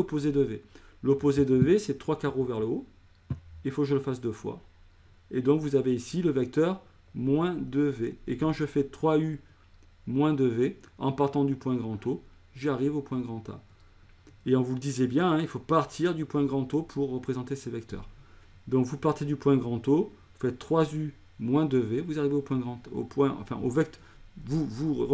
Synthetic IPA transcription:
opozed̪əve | lopozed̪əvesɛt̪χwakaʁovɛʁləo | ilfokʒələfasd̪øfwa̰ | ed̪ɔ̃kvuzaveisiləvɛk̚t̪œʁ | mwɛ̃d̪əveekɑ̃ʒəfɛt̪χway | mwɛ̃d̪əveɑ̃paʁt̪ɑ̃d̪ypwɛ̃ɡʁɑ̃t̪o | ʒiaʁivopwɛ̃ɡʁɑ̃t̪a̰ | eɔ̃vuləd̪izjebjɛ̃ɛ̃ilfopaʁt̪ʰiʁd̪ypwɛ̃ɡʁɑ̃t̪opʰuʁːəpχezɑ̃t̪esevɛkt̪œ̰ʁ | d̪ɔ̃kvupaʁt̪ed̪ypwɛ̃ɡʁɑ̃t̪o | ufɛt̪ːχwazy | mwɛ̃d̪əvevuzaʁiveopwɛ̃ɡʁɑ̃t̪o̰pwɛ̃ɑ̰̃fɛ̰̃ʔo̰vɛk̚t̪ | vuvu

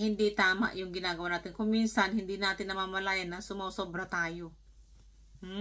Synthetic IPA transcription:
hɪnd̪it̪aːma̰ʔjʊŋɡɪnaːɡɐwaʔnaːt̪ɪnkʊŋminsanhɪnd̪inaːt̪ɪnːɐmamɐlaːjanːɐsʊmawsobɾat̪aːjo | m̩

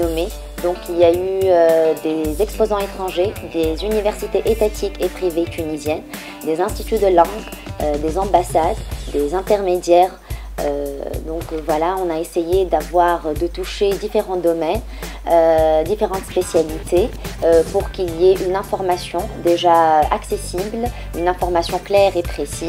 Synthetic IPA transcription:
ɔme | d̪ɔ̃kiljayød̪ezɛkspozɑ̃et̪χɑ̃ʒed̪ezynivɛʁsit̪eʔet̪at̪ʰikepχivet̪ʰynizjɛn | d̪ezɛ̃st̪it̪yd̪əlɑ̃ɡ | ød̪ezɑ̃basad̪ːezɛ̃t̪ɛʁmed̪jɛʁ | ø̰d̪ɔ̃kvwalaɔ̃naesejed̪avwaʁd̪ət̪uʃed̪ifeʁɑ̃d̪ɔmɛn | ød̪ifeʁɑ̃t̪spesjalit̪ʰeøpuʁkilijeʔynɛ̃fɔʁmasjɔ̃d̪eʒaøʔaksesibl | ynɛ̃fɔʁmasjɔ̃klɛʁepχesi

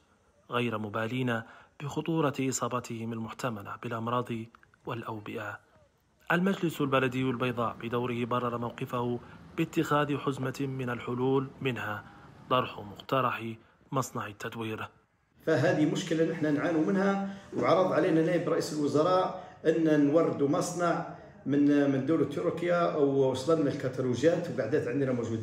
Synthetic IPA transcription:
ɣajɾmʊbæliːnab̥əxʊt̪ˤuːɾˤɑʔɨsˤɑːbɑt̪əhɪmalmʊħt̪amala̰bəlʔɑmɾˤɑːd̪ˤi | wɪlʔawbɪʔa | ʔælmæd͡ʒlɪslbælæd̪əjːwəlbɑjd̪ˤɑ̰ːʔbəd̪awɾɪhɪbɑrˤːɑɾˤɑmawqɪfahʊbət̪ːɪxæːd̪ħʊzmamɪnalħʊluːlmɪnhad̪ˤɑɾˤħmʊqt̪ɑɾˤɑħi | mɑsˤnɑʕit̪ʰːæt̪wiːɾ | fæɦæd̪imʊʃkəlanəħnænʕanumənhæwʕɑɾˤːəd̪ˤʕalinænæjəbɾˤɑʔisəlwʊzɑɾˤɑʔʔənːænwɑrˤːəd̪umɑsˤnɑʕ | mənmənd̪uwlat̪ːʊɾukjaʔwwɑsˤlɑnnalkæt̪æluʒjæt̪wɡaʕd̪æt̪ʕənd̪næmoʒud̪i

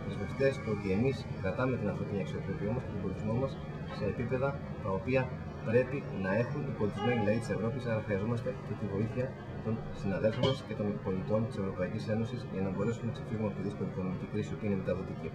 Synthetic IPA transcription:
pɾezmofi̥t̪est̪oo̞t̪ie̞miskɾɐt̪ɐme̞t̪inɐfɾot̪iniɐksiopɾopiomosket̪obo̞lit̪izmo̞mɐs | se̞ːpipe̞ðɐ | t̪ɐo̞piɐ | pɾe̞pinɐe̞xunt̪ibo̞lit̪izme̞niilɐit̪i̥se̞vɾo̞pisɐɾɐxɾiɐzo̞mɐst̪e̞ce̞t̪ivo̞iθiçɐ | t̪o̞n | sinɐðe̞lfondɐsce̞t̪o̞nipipo̞lit̪o̞nt̪i̥se̞vɾo̞pɐicise̞no̞sisʝɐnɐbo̞ɾe̞sumnenɐksefiɣumɐfiðiskoniko̞no̞micikɾisio̞piineme̞t̪ɐðo̞t̪ici

